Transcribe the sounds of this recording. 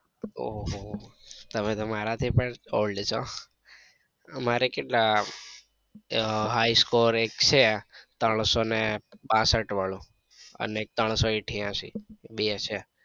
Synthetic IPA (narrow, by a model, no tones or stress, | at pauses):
o | t̪əmet̪omaɾat̪ʰipəɳolɖt͡ʃʰo | əmaɾekeʈla | ɦaiskoɾek̚t͡ʃʰet̪əɳ̃sonebãsəʈʋəɭũ | ə̰neek̚t̪əɳ̃soiʈʰjãsḭɓet͡ʃʰe